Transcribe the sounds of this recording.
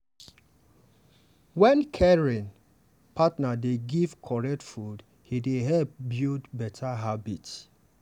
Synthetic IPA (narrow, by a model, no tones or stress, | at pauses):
wɛ̃nkʰɛɹĩn | pʰatnadeɡivkʰɔɹɛk̚tfud | hideɦɛlp̚bildbɛtʰaɦabits